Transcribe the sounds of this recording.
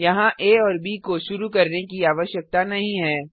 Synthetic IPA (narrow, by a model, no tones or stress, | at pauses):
jɐɦãʔeːɔːɾbiːkoʃʊɾukɐɾnekiaːʋəʃjək̚t̪anɐɦĩɦɛː